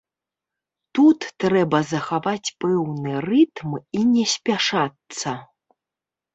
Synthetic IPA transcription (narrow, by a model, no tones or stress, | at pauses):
t̪ut̪ːɾɛbɐzɐxavat͡sʲpɛwnɨrɨt̪minʲɛsʲpʲaʂat̪sɐ